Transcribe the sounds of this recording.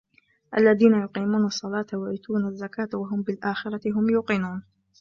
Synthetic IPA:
ʔa̰lːaðiːnajʊqiːmuːnɑsˤːɑlɑːt̪awaʕiːt̪uːnazːakaːt̪waɦʊmbɪlʔaːxɪɾˤɑɪɦʊmjʊqɪnuːn

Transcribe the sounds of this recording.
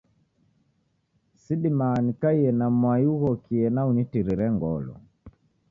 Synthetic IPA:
siɗimanikaiɛnamwajuɣɔkiɛnaunitiɾiɾɛŋɡɔlɔ̰

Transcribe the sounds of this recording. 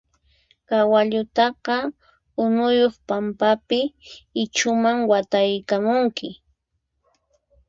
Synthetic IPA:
kawaʎʊt̪ɑqɑ | ʊnʊjoχpampapɪɪt͡ʃʊmaŋwat̪ajkamʊŋkʰɪ

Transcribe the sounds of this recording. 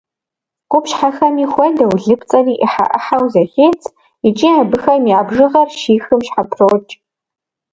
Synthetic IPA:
qʷʊpʃħaxɐmiχʷɐjdɐwɮɨpʰt͡sʼɐniːʔiħa̰ʔɐ̰ħawzɐχeːt͡sʰʼ | it͡ʃʼiabɨxɐmiabʐɨʁɐrʃiːxɨmʃħapʰroːt͡ʃʼ

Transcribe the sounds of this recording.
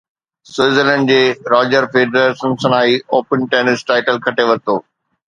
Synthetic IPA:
sweːzəlɛ̃ːɳɖd͡ʑeːɾɔːd͡ʑəɾfeːɖɾəɾsɐ̃nsɐ̃naːioːpənʈeːnɪsʈaːɪʈəlkʰɐʈeʋɐt̪oː

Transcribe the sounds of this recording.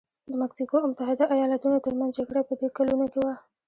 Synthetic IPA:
d̪əmaksikoamʊt̪aɦɪd̪aʔajɑlat̪unot̪əɾmanzd͡ʒaɡɽapəd̪ekalunokewa

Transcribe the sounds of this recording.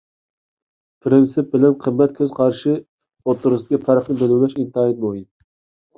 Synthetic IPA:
pʰɾɪnsɪp̚bɪlɛnqʰəmːɛt̪̚kʲʰøz̥qʰɑɾʃɪ | ot̪ʰːuɾʊsd̪ɪ̥kʲifæɾχnɪbeluwlɛʃint̪ɨɑjɛt̪̚bojim

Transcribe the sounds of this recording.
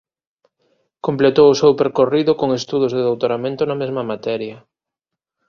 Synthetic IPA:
komplet̪owʊsewpeɾkoriðʊkoŋest̪uð̞ʊzðeðowt̪oɾamẽnt̪ʊnɐmezmɐmat̪ɛɾjɐ

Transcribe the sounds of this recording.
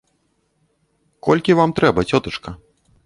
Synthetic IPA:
kɔlʲkʲivamt̪ɾɛbɐt͡sʲɔt̪ɐt͡ʂkɐ

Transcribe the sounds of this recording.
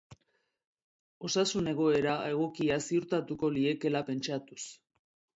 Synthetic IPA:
o̞sasune̞ɣ̞o̞e̞ɾae̞ɣ̞o̞kiasiuɾt̪at̪uko̞lie̞ke̞lape̞nt͡ʃat̪us

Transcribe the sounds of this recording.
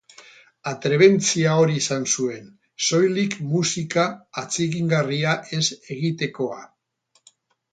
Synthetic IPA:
at̪ɾe̞βe̞nt͡siaoɾiesansue̞n | so̞jlikmusikaːt͡siɣiŋɡariaʔe̞se̞ɣit̪e̞ko̞a̰

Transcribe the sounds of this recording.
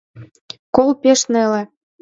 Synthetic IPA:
kolpeʃnelĕ

